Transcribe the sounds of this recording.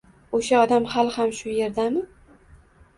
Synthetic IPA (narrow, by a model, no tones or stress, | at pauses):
oʃaɒd̪amhalˠhamʃʊje̞ɾd̪amɪ